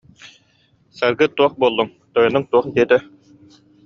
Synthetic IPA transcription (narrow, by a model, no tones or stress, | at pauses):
saɾɡɯt̪uɔχbuɔlˠːuŋ | t̪ɔjɔnɯŋt̪uɔχd̪iɛt̪ɛ